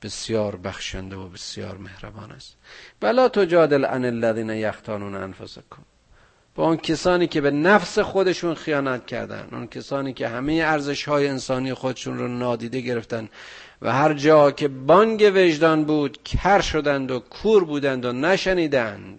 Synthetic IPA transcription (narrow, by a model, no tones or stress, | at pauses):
b̥esjɒːɾbæxʃænd̪eobesjɒ̰ːɾmehɾæbɒːnæ̰st̪vælɒːt̪ʰod͡ʒɒːd̪elʔæ̰nelːæðiːnæjæxt̪ʰɒːnuːnæ̰nfosekʰom | b̥ɒːuncʰesɒːniːkʲe̞benæfsexod̪e̞ʃunxijɒːnæt̪̚cʲʰæ̰ɾd̪æ̰nṵncʰesɒːniːkʰehæmejeæɾzeʃhɒːjeensɒːniːjexod̪eʃuːnɾonɒːd̪iːd̪eɡe̞ɾeft̪æn | væ̰hæɾd͡ʒɒːcʰe̞bɒːŋɡeveʒd̪ɒːnbuːd̪kʰæɾʃod̪ænd̪okʰuːɾbuːd̪ænd̪onæʃæniːd̪æænd̪̥